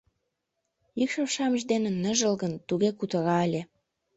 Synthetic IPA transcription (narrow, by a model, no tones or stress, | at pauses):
ikʃoʃɑməʒd̪enĕnːə̆ʒəlɣənt̪uɣekut̪ə̆ɾɑelʲe